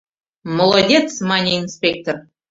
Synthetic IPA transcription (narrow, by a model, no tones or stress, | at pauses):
molˠodʲet̪t͡smɑnʲeinsʲpʲek̚t̪or